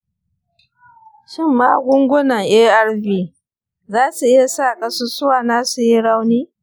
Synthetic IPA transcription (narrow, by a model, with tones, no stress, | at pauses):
ʃɪ˦˨mːaː˦ɡʷʊ˦ŋɡʷʊ˦nɐ˨ŋʔeː˦ʔa˦rbiː˦˨ | zaː˦su˨ʔɪ˦ja˨saː˦˨kʼɐ˦su˦sʊ˦waː˨naː˦su˨ji˦ɽa˦wniː˦